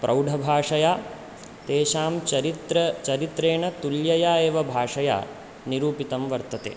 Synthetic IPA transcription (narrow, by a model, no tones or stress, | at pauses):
pɾʔɐwɖʱɐbʱaːʂɐjaː | t̪eːʃaːmɐɾit̪ɾɐt͡ʃɐɾit̪ɾeːɳɐt̪uljɐjaːeːʋɐbʱaːʂɐja̰ː | niɾuːpit̪ɐmʋɐɾt̪ɐt̪ḛː